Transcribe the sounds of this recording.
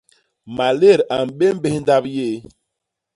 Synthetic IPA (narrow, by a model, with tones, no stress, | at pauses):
ma˨le˦˨ɾa˨m˨ɓe˦m˦be˦hn˦da˦bje˦˨